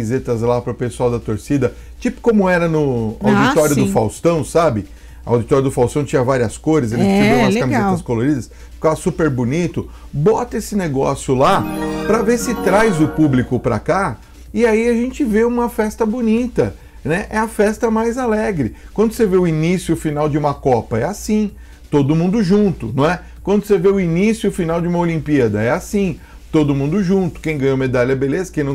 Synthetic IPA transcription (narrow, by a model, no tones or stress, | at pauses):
izet̪ɐzlapɾʊpesuawd̪ɐt̪oɾsid̪ɐ | t͡ʃipʊ̥kõmʊɛɾɐnʊawd͡ʒit̪ɔɾiʊd̪ʊfawst̪ɐ̃w̃sabɪ | ɐa̰wd͡ʒit̪ɔɾɐd̪ʊfawst̪ɐ̃w̃t͡ʃĩɲɐvaɾiɐskojɾɪzeʒẽt͡ʃveũmɐskɐmizeat̪ɐskoloɾid̪ɐs | fi̥kavɐsupeɾbʊnit̪ʊ | bɔt̪ɐesɪneɡɔ̰sjʊlapɾɐvesɪt̪ɾajzʊpublikʊpɾɐ̰ka | ɪaiaʒẽnt͡ʃɪveũmɐfɛst̪ɐbonit̪ɐ | nɛʔɛɐfɛst̪ɐmajzalɛɡɾɪkwɐ̃nd̪ʊseveʊinisjʊʊfinawd͡ʒɪũmɐkɔpɐɛasĩ | t̪od̪ʊmũnd̪ʊʒũt̪ʊnɐ̃w̃ɛ | kwɐ̃nd̪ʊseveʊinisjʊʊfinawd͡ʒɪũmɐolĩmpiɐd̪ɐɛasĩ | t̪od̪ʊmũnd̪ʊʒũt̪ʊ̥kẽj̃ɡɐ̃j̃oɐmed̪alɐbelezɐkẽj̃nɐ̃